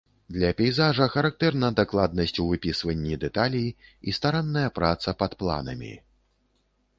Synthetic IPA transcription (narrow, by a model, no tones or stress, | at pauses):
d̪lʲɐpʲɛjzaʐɐxɐɾak̚t̪ɛrnɐd̪aklˠad̪̚nɐsʲt͡sʲuvɨpʲisvɐnʲːid̪ɛt̪alʲijiist̪aɾanːɐjɐpɾat̪sɐpɐt̪plˠa̰nɐ̰mʲḭ